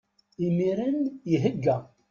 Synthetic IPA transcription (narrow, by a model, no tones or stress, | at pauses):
imiɾænjiɦəɡːæ